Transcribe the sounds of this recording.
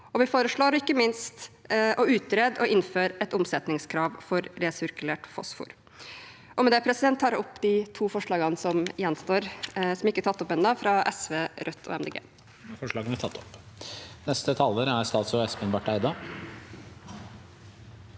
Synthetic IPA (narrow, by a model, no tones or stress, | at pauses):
ɔʋɪfoːɾəʂɭoːɾɪkːəmɪnst̪ɔʉːt̪ɾeːd̪ɔɪnføːɾɛt̪ʊmsɛt̪nɪŋskʰɾɑːʋfɔɾɾɛsʏɾkʉleːʈfɔ̰sfṵːɾ | ʔɔmɛd̪ɛːpʰɾɛsɪd̪ɛnt̪ʰːɑːɾɔpːd̪ɪt̪ʰuːfɔʂɭɑːɡɑnsɔmjɛnːst̪oːɾsɔmɪkːət̪ʰɑt̪ːɔpɛnd̪ɑːfɾɑʔɛsʋeːɾʔœt̪ʰːɔ̰ːɛmd̪eːɡḛː | fɔʂɭɑːɡənæt̪ʰɑt̪ːɔ̥p | nɛst̪ət̪ʰɑlːəɾæɾst̪ɑːlt̪sɔɛspənʋɑʈæɪd̪ɑ